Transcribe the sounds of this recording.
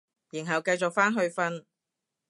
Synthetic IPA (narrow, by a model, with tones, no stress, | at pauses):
jiː˨˩nɦɐ˨wkɐ˧jt͡sʊ˨k̚faː˥nɦɵ˧ɥfɐ˥n